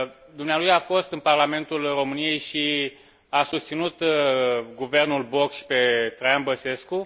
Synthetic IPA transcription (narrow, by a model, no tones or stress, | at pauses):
d̪umnealujafo̞st̪ɨnparlame̞nt̪ulro̞mɨnije̞jʃi | asust̪sinut̪ | ɡuve̞rnulbokʃpe̞t̪ɾajanbəse̞sku